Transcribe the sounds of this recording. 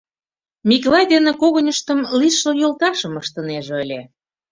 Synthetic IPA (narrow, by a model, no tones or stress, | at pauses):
mʲiklɑjd̪enekoɣənʲəʃt̪ə̆mliʃojolt̪ɑʃəməʃt̪əneʒeəlʲe